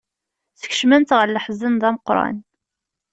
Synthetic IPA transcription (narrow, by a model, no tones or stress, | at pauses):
θə̥ç̥ʃmænt̪ʁəɾləħzənðæməqɾˤɑ̰n